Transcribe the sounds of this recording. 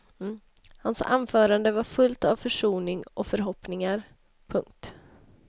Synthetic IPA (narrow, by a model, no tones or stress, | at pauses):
hansa̰nːfœːɾand̪əvaɾfɵlt̪avfœʂuːnɪŋʔɔfœɾɦɔpnɪŋaɾ | pʰɵŋk̚t̪